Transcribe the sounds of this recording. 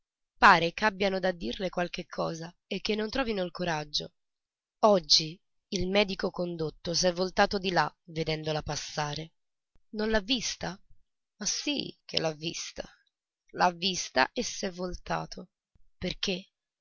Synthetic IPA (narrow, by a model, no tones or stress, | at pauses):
paːɾekabːjanod̪ad̪ːirlekwalk̟ekʰːɔːza | ek̟ːenːont̪ɾɔːvinoilkoɾad͡ʒːo̰ | ɔd͡ʒːiː | lmɛːd̪ikokond̪ot̪ːos̬ɛvːolt̪aːt̪od̪ilaved̪ɛnd̪olapasːaːɾe | nonlavːist̪a | masːḭk̟ʰḛlːavːḭst̪a̰ | lavːist̪a̰ʔesːɛvːolt̪a̰ːt̪ʰo | perk̟e